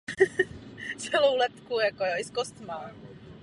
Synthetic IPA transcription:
t͡sɛlowlɛt̪kujakojoɪskost̪ma

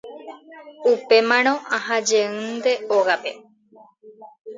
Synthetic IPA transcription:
upe̞mãñõʔaɦad͡ʒeɨ̃nd̪e̞oɣape̞

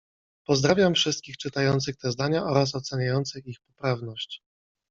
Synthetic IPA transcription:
pɔzd̪ɾavʲjamfʂɘst̪̚kʲixt͡ʂɘt̪ajɔnt̪sɘxt̪ɛzd̪aɲaʔɔɾas̬ɔt̪sɛɲajɔnt̪sɘxixpɔpɾavnɔɕt͡ɕ

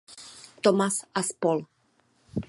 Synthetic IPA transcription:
t̪ɔmasaspɔl

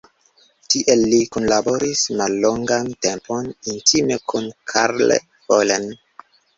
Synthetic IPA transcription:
tiʔelːikunlabo̞ɾismalːoŋɡantempʰonintʰimekʰunkʰaɾlḛ | polen

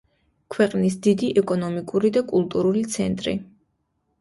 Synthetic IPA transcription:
kʰwɛqʼnis̬d̪id̪iʔɛkʼɔnɔmikʼuɾid̪akʼulˠt̪ʼuɾulit̪sʰɛnt̪ʼɾḭ

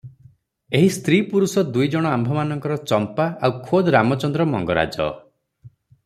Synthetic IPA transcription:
eɦist̪ɾipuɾusɔd̪ujd͡ʒɔɽ̃ɔambʱɔmanɔŋkɔɾɔt͡ʃɔmpaawkʰod̪ɾamɔt͡ʃɔnd̪ɾɔmɔ̰ŋɡɔɾa̰d͡ʒɔ̰

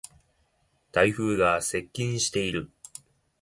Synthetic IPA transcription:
t̪aiɸɯ̟ːɡase̞kʲːĩɲ̃ɕi̥t̪e̞iɾɯ̟

